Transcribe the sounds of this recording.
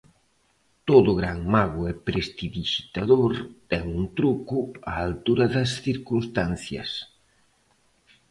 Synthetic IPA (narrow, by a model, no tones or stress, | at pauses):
t̪oðʊɣɾaŋmaɣʊɛpɾest̪iðiʃi̥t̪aðoɾt̪ɛŋuŋt̪ɾukʊaːlt̪uɾɐðɐsθiɾkunst̪an̟θjɐ̰s